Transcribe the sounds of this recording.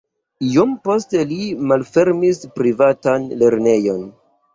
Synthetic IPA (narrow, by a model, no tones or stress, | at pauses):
iompo̞ste̞limalfe̞ɾmispɾivatanle̞ɾne̞jo̞n